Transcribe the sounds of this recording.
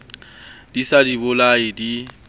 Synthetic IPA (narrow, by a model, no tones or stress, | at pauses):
disadibʊlaɪdi